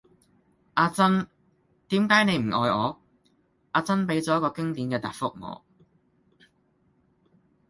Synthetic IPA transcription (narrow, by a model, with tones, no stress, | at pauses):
ʔaː˧t͡sɐ˥n | t̪iː˨˥mkaː˨˥jne˨˧jm̩˨˩ʔɔː˧jɔː˨˧ | ʔaː˧t͡sɐ˥npe˨˥jt͡sɔː˨˦jkɔː˧kɪ˥ŋt̪iː˨˥nkɛː˧t̪a̰ː˨t̚fʊ˥k̚ŋɔ̰ː˨˥